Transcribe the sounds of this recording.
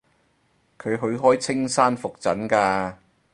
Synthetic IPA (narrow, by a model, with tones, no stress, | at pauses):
kʰɵ˨˧ɥɦɵ˨˧ɥɦɔː˥jt͡sʰɪ˥ŋsaː˥nfʊ˨k̚t͡sɐ˨˥nkaː˧